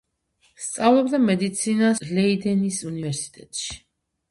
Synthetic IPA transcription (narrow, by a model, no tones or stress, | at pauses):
st̪sʼavlˠɔbd̪amɛd̪it̪sʰinalɛid̪ɛnisunivɛɾsi̥t̪ʼɛt̪ʼʃi̥